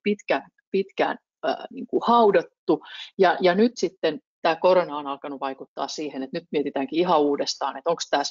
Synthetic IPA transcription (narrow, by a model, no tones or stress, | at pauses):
pit̪kæ | pit̪kæ̰n̰ː | niːŋkuhɑudɑt̪ːujɑjɑnyt̪sit̪ːen | t̪æːkoɾonɑonɑlkɑnuʋɑikut̪ːɑ̰ːssiːhenet̪nyt̪miet̪it̪æːŋkiihɑuːdest̪ɑ̰ːnet̪oŋkst̪æːs